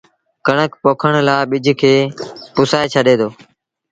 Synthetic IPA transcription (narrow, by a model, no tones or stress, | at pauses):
kəɳəkpoːkʰəɳ̃laːɪɓɪd͡ʒʱkʰeːpʊsaːeːt͡ʃʰəɗeːd̪oː